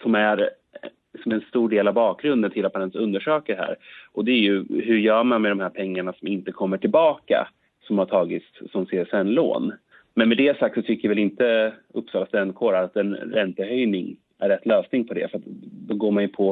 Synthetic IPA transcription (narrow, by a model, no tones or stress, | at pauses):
sɔmæɾ | ɪksɔmɛnst̪uːɖeːlavbɑːk̚ɡɾɵnd̪ənt̪ʰɪlːat̪manɛnsɵnd̪əʂøːkəɾɦæ̰ːɾʔɔd̪ɛæɾjɵɦɵɾjœːɾmanmɛd̪ɔmhæːɾpʰɛŋːaɳasɔmɪnt̪əkʰɔmːəʈʰɪlbɑːka̰ | sɔmhaʈʰɑːɡɪt̪sːɔmseːɾsɛnːlo̰ːn | mɛnmɛd̪ɛasak̚t̪sɔt̪ʰʏkːəjavɛlɪnt̪əɵpːsɑːlast̪ɛnːkʰoːɾaɾat̪ɛnɾɛnt̪əɦœjnɪŋ | ʔæɾːɛt̪ːløːsnɪŋpʰɔd̪ɛ̰fɾat̪d̪ɔɡoːɾmanjɵpʰɔ